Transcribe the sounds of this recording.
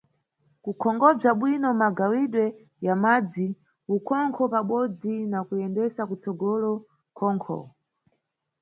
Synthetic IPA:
kukʰɔŋɡɔb͡ʐaɓwinɔmaɡawiɗwɛ | jamad͡zi | ukʰɔŋkʰɔpaɓɔd͡zinakujɛndɛsakut͡sɔɡɔlɔ | kʰɔːŋkʰɔ̰

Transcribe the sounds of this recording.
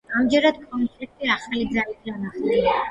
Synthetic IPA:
amd͡ʒɛɾad̪kʼɔnpʰʼlik̚t̪ʼiaχalid̪zalidʼanaχd̪ɛni

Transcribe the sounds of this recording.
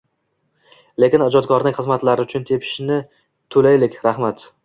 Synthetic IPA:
le̞kʲɪnad͡ʒɒt̪kʰɒɾnɪŋʲχɨzmat̪laɾɪʊt͡ʃʰʊnt̪ʰe̞pʰɪ̥ʃnɪ | t̪ʰolajlɪkʲɾaχmat̪

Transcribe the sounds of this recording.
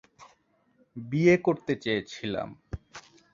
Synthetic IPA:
biekoɾt̪et͡ɕeet͡ɕʰila̰m

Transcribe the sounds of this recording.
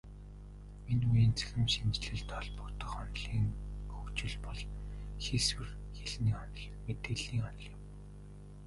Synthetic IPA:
minujiːnt͡sʰæ̥xɘ̆mʃint͡ɕɮɘ̆ɮt̪ʰɔɮpɞ̆kt̪ə̆χɔnɮiːŋxɵkt͡ɕɪ̆ɮpɔɮxiswɘ̆r | xeɮniːɔnɮ | met̪eːɮiːŋɔnɞ̆ɮjɪ̆m

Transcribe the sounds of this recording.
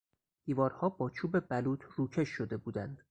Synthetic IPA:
d̪̥iːvɒːɾhɒːbɒːt͡ʃʰuːbe̞bæluːt̪ʰruːcʰe̞ʃːod̪e̞buːd̪ænd̪̥

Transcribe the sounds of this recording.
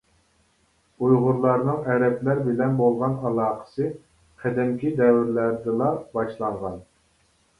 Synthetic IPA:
ujʁʊɾlˠɑɾnɨŋɛɾɛplæɾbɪlɛnbolˠʁɑnɑlˠɑːqʰə̥sɨ | qʰɛd̪ɛmkʲid̪ɛwɪɾlæɾd̪ɨlˠɑbɑʃlˠɑɴʁɑn

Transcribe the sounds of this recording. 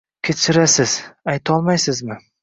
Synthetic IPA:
kʲʰet͡ʃʰɪɾasɪz̥ajt̪ʰɒlˠmajsɪzmɪ

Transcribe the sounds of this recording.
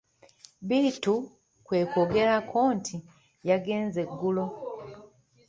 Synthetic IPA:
bitu | kwe̞ːkoɡe̞ɾakʰoːntʰi | jaɡe̞ːnze̞ɡːulo̞

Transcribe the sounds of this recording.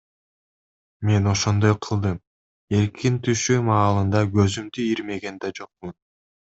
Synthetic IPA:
me̞no̞ʃo̞nd̪o̞jqʰɯlˠd̪ɯm | e̞ɾkʰint̪ʰyʃymɑːlˠɯnd̪ɑɡø̞zymd̪yiɾme̞ɡe̞nd̪æd͡ʒo̞q̚mun

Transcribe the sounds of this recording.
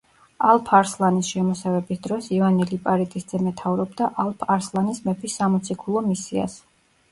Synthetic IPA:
alˠpʰaɾslˠanisʃɛmɔsavɛbisd̪ɾɔsivanilipʼaɾit̪ʼisd̪z̥ɛmɛt̪ʰavɾɔbd̪aʔalˠpʰaɾslˠanismɛpʰisːamɔt̪sʰikʰulˠɔmisia̰s

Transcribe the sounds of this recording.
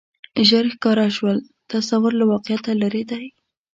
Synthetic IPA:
ʒaɾxkɑɾaʃwəl | t̪asawʊɾlawɑqɪjat̪alaɾed̪aj

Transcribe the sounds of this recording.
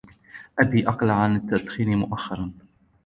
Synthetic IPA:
ʔabiːʔɑqlʕanat̪ːat̪xiːnmʊʔaxːɑɾˤɑn

